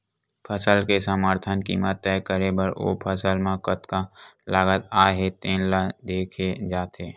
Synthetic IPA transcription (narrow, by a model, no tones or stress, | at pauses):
pʰəsəlkesəməɾt̪ʰənkḭːmət̪ːɛːkəɾebəɾo̰ːpʰəsəlmãkət̪kalaːɡət̪̚aːɦet̪ẽːnlad̪eːkʰed͡ʒaːt̪eː